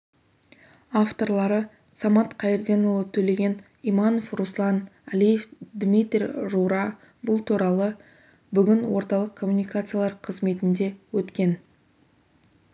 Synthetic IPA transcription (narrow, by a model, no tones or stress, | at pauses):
ɑft̪o̞ɾlˠɑɾə | sɑmɑt̪qʰɑjɾd̪ʲe̞nulˠət̪ʰɵle̞ɡʲe̞n | imɑno̞fruslˠɑnælije̞fd̪mʲijt̪rʲiruɾɑ | bʊlˠt̪ʰuɾɑlˠə | bʏɡʲɪnwo̞ɾt̪ɑlˠəqkʰːo̞mːunijkat̪sɨjalˠɑɾqʰəzme̞t̪ɪnd̪e̞wɵt̪kʲe̞n